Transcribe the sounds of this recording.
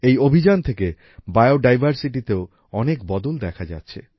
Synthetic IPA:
ejobʱid͡ʑant̪ʰeke | baeoɖajbʱaɾsiʈit̪eo | ɔnekbɔd̪old̪ɛkʰad͡ʑa̰tːɕʰḛ

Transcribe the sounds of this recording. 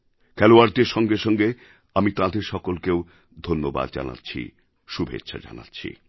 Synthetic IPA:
kʰɛloaɾd̪eɾʃɔŋɡeʃɔŋɡe | amit̪ãd̪eɾʃɔkolkew | d̪ʱonːoba̰d̪d͡ʑa̰na̰tːɕʰḭ | ʃubʱḛt̪ːʃʰa̰d͡ʑa̰na̰tːɕʰḭ

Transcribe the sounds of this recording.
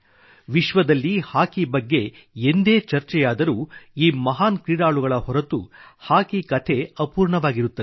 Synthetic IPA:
ʋiʃʋɐd̪ɐlːihaːkibɐɡːe̞ | end̪eːt͡ʃɐɾt͡ʃɛjaːd̪ɐɾuːiːmɐɦaːnkɾiːɽaːɭuɡɐɭɐɦɔɾɐt̪uhaːkikɐt̪ʰe̞ɐpuːɾɳɐʋaːɡiɾut̪ːɐ

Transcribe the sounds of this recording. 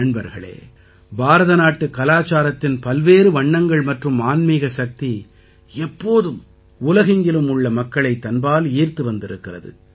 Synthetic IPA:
ɐɳbɐɾɣɐɭḛː | baːɾɐðɐnaːʈːɯkɐlaːt͡ʃaːɾɐt̪ːɪnpɐlʋeːɾɯʋɐɳːɐŋɡɐɭmɐʈrɯmaːnmiːɣɐsɐk̚t̪i | ɛpːoːðɯm | ʊlɐɣɪŋɡɪlɯmʊɭːɐmɐkːɐɭɐɪt̪ːɐnbaːliːɾt̪ɯʋɐnd̪ɪɾɯkːɪrɐ̰ðɯ̰

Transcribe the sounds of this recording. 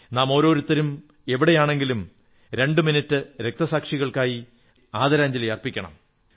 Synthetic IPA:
naːmo̞ːɾo̞ːɾut̪ːɐɾum | e̞ʋiɽejaːɳe̞ŋɡilum | ɾe̞ɳɖɨminitːɨɾe̞k̚t̪ɐsaːkʂiɣɐɭkaːji | aːd̪ɐɾaːɲd͡ʑɐlɐjɐrpikʲːɐɳɐ̰m

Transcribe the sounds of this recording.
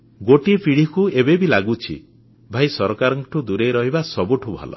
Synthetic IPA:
ɡoʈipʰiɽ̤ikuebebilaɡut͡ʃʰḭ | bʱajsɔɾɔkaɾɔŋʈʰud̪uɾejɾɔɦibasɔbuʈʰubʱa̰lɔ̰

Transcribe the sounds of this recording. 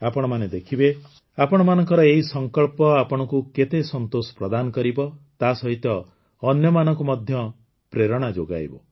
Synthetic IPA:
apɔɽ̃ɔmaned̪ekʰibe | apɔɽ̃ɔmanɔŋkɔɾɔeɦisɔŋkɔɭpɔapɔɽ̃ɔkuket̪esɔnt̪osɔ̥pɾɔd̪anɔkɔɾibɔt̪asɔɦit̪ɔː | njɔmanɔŋkumɔd̪ʱjɔ | pɾeɾɔɽ̃ad͡ʒoɡa̰jbɔ

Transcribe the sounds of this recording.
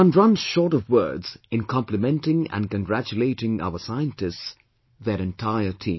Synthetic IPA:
ə̃nɹʌ̃nz̥ʃɔːɾʌvwɜ̰˞dz̥ɪ̃nkʰɑ̃mplɨmɛ̃ntɪ̃ŋə̰̃nkə̃nɡɹæt͡ʃuleɪɾɪ̃ŋa̰ʊəsaɪə̃ntɪsts | ðəɾɛ̃ntʰaɪətʰĩː

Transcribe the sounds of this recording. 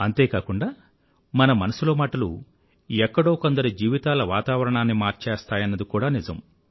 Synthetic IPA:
ɐnt̪e̞ːkaːkuɳɖaː | mɐnɐmɐnɐsulo̞ːmaːʈɐlṵ | ɛkːɐɽo̞ːkond̪ɐɾid͡ʒiːʋit̪aːlɐʋaːt̪aːʋɐɾɐɳaːnːimaːɾt͡ʃeːst̪aːjɐnːɐd̪ikuːɽaːnizɐ̰m

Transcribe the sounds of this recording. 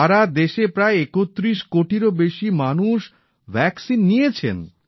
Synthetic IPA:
aɾad̪eʃepɾaeekot̪ːɾiʃkoʈiɾobeʃimanuʃ | bʱɛksinːijet͡ɕʰḛn

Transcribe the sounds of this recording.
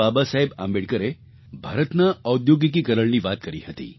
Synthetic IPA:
abasaɦeba̰mbeɽkəɾe | bʱaɾət̪naːud̪joɡik̬iːkəɾəɭniːʋat̪̚kəɾḭhət̪ḭː

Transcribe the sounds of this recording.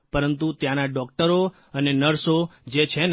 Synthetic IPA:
pəɾənt̪ut̪jãnaɖɔk̚ʈəɾo | ənenəɾsod͡ʒet͡ʃʰen

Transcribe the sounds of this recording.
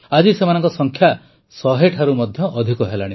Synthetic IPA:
ad͡ʒisemanɔ̃ŋkɔsɔŋkʰja | sɔɦeʈʰaɾumɔd̪ʱjɔʔːd̪ʱikɔɦelaɽ̃i

